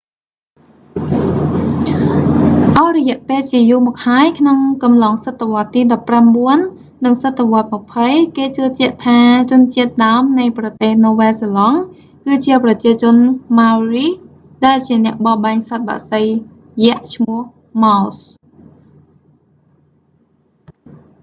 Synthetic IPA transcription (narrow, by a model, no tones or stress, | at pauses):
ʔaɔrɔjɛ̆əʔpeːlt͡ɕiəjuːmɔːk̚haəjkʰnoŋkɑmlɑːŋsət̪ʰːəʋŏət̪ːiːɗɑpːramɓuənː | ɨŋsət̪ʰːeʋŏət̪̚məpʰəjkeːt͡ɕɨːt͡ɕɛ̆əʔt̪ʰaːt͡ɕʊ̆nt͡ɕiət̪̚ɗaəmnɨjprɑt̪eːhnoːʋɛːselɑŋ | kɨːt͡ɕiəprɑt͡ɕiət͡ɕʊ̆ənmawriː | ɗaɛlt͡ɕiənɛ̆əʔɓɑɓaŋsat̪̚ɓa̰ːʔsəj | jɛ̆əʔt͡ɕʰmʊəh | mas